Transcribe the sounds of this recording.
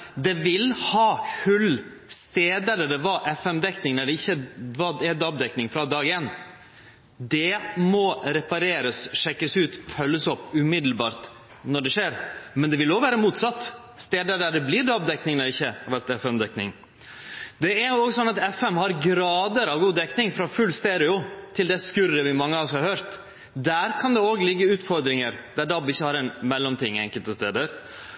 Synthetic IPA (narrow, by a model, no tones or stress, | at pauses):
d̪ɛʋɪlhɑːhʉlː | st̪eːd̪ɛlːəɖɛʋɑʔɛfɛmd̪ɛknɪŋnɛɖɛɪçːəʋɑːd̪ɛd̪ɑbd̪ɛknɪŋfɾɑd̪ɑːɡɪeːn | d̪ɛmɔɾɛpɑɾeːɾəsʂɛkːəsʉːt̪fœlːəsɔpːʉmɪd̪l̩bɑːɾt̪ | nɔɖɛʂeːɾmɛnd̪ɛʋɪlɔʋæːɾəmuːt̪sɑt̪ː | st̪eːd̪əɖæɖɛblɪːɖɑbd̪ɛknɪŋnɔɾɪçːəɑʋɛɾt̪ɛfɛmd̪ɛknɪ̰ŋ | d̪ɛæɾjʊoːɡsɔnːɑt̪ɛfɛmhɑɾɡɾɑːd̪əɾɑʋɡuːd̪ɛknɪŋfɾɑfʉlːst̪eːɾɪʊt̪ʰɪld̪ɛskʉɾəʋɪmɑŋːəɔsɔhɑɾhøːɾt̪ | d̪æːɾkʰɑnd̪ɛoːɡlɪɡːəʉːt̪fɔɾd̪ɾɪŋəɾd̪̥æɖɑbɪçːəhɑɾɛnmɛlːɔmt̪ʰɪŋːɛ̰ŋkəlt̪əst̪eːd̪əɾ